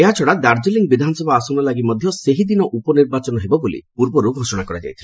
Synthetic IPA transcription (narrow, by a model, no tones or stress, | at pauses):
eɦat͡ʃʰɔɽad̪aɾd͡ʒiliŋ̚bid̪ʱanɔsɔbaːsɔnɔlaɡimɔd̪ʱjɔseɦid̪inɔʔupɔniɾbat͡ʃɔnɔɦebɔbulḭpuɾbɔɾuɡʱosɔɽ̃akɔɾad͡ʒa̰jt̪ʰil